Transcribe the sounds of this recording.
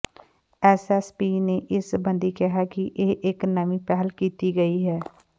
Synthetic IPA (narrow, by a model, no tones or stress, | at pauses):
ɛːsɛspiːneːʔɪsbə̃nd̪iːkɪɦakiʔeːʔɪknəmĩːpɛːɦlkiːt̪iɡəiːɦɛː